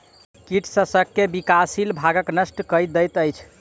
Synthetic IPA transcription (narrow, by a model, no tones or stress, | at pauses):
kiʈʰsəsəkːebikasilbʱaɡəknəsʈkəj̚d̪əjt̪əjt͡ʃʰ